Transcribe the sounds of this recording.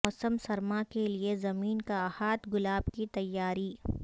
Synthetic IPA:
ɔːsəmsɐɾmakeliezɐmiːnkahaːt̪ɡʊlaːbkit̪ɐjːaːɾi

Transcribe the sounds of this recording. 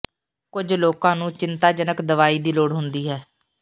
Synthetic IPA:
kʊd͡ʒloːkãːnũːt͡ʃɪnt̪aːd͡ʒənəkd̪əʋaːiːd̪iːloːɽɦʊnd̪iːɦɛː

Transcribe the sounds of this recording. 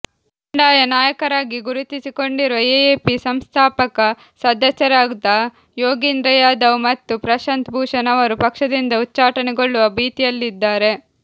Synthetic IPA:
uɳɖaːjɐnaːjɐkɐɾaːɡiɡuɾut̪isiko̞ɳɖiɾuʋɐeeːpisɐmst̪ʰaːpɐkɐ | sɐd̪ɐsjɐɾaːɡd̪ɐ | joːɡind̪ɾɐjaːd̪ɐʋmɐt̪ːupɾɐʃɐnt̪bʱuːʂɐnɐʋɐɾupɐkʂɐd̪ind̪ɐutːt͡ʃːaːʈɐnɛɡo̞ɭːuʋɐbiːt̪ijɐlːid̪ːaːɾe̞

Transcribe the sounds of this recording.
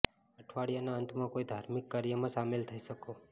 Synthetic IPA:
əʈʰʋaɽijanaənt̪ʰmãkoid̪ʱaɾmɪkːaɾjəmãsamelt̪ʰəiʃəko

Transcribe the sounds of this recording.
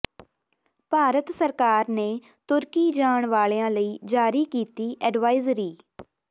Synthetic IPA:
paːɾət̪səɾkaːɾneː | t̪ʊɾkiːd͡ʒaːɳʋaːleːãːləiːd͡ʒaːɾiːkiːt̪iːʔɛːɖʋaːɪzɾiː

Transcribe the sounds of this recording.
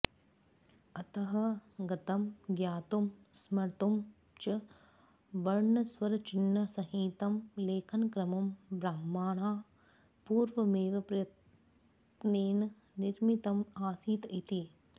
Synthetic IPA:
ɐt̪ɐɦɐ̆ɡɐt̪ɐmɡjaːt̪umsmɐɾt̪um | t͡ʃɐ | ʋɐɾɳɐsʋɐɾɐt͡ʃinːɐsɐɦiːt̪ɐmleːkʰɐnkɾɐmɐmbɾaːmaːɳaː | puːɾʋɐmeːʋɐpɾɐjɐt̪ | neːnɐ | niɾmit̪ɐmaːsiːt̪it̪i

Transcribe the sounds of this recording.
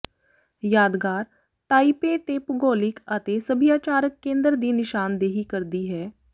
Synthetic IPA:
jaːd̪ɡaːɾ | ʈaːipeːt̪eːpɡoːlɪkət̪eːsəbʱijaːt͡ʃaːɾəkːẽːnd̪əɾd̪iːnɪʃaːnd̪eːɦikəɾd̪iːɦɛː

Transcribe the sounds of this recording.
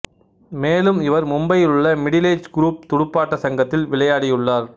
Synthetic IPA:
meːlɯmɪʋɐɾmʊmbɐjɪlɯɭːɐmɪɽɪleːd͡ʒɡɾuːp̚t̪ʊɽʊpːaːʈːɐsɐŋɡɐt̪ːɪlʋɪɭɐjaːɽɪjɯɭːaːɾ

